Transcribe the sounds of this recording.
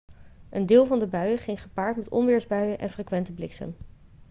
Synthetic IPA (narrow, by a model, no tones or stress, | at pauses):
ʔəndɪːlˠvɑndəbœɥəχɪŋχəpaːɹtmɛtɔ̰nʋɪːɹzbœɥəʔɛ̰nfrekʋɛntəblɪksə̰m